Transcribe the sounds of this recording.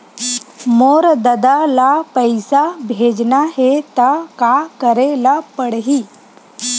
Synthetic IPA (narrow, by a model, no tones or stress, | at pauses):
moɾd̪əd̪alapəjsabʱed͡ʒnaɦet̪akakəɾelapəɽɦiː